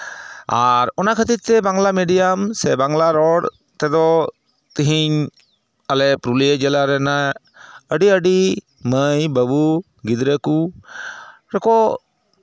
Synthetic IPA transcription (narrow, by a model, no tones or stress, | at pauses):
a̰ɾɔnakʰət̪it̪ɛbaŋlameɖijamsɛbaŋlaɾɔɽ | t̪ɛd̪ɔ | t̪iɦiɲ | alɛpɾulijəd͡ʒɛlaɾɛna | əɖiəɖi | məjbəbu | ɡid̪ɾəku | ɾɛkɔ